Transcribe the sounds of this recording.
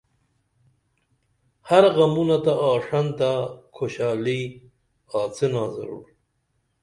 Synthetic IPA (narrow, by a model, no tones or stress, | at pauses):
haɾɣamunat̪aʔɑːʂant̪akʰoɕɑːli | ɑːt͡senɑːzɐ̰ɾṵːɾ